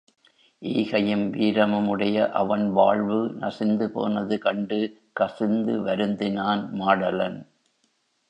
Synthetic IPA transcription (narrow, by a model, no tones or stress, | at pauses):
ʔiːɣɐjɯmʋiːɾɐmɯmɯɽɐjɐʔɐʋɐnʋaːɭʋɯnɐsɪnd̪ɯpo̰ːnɐðɯkɐɳɖɯ | kɐsɪnd̪ɯʋɐɾɯnd̪ɪnaːnmaːɽɐlɐn